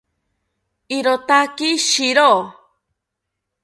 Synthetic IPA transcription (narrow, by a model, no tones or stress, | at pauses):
iɾot̪akiʃiɾo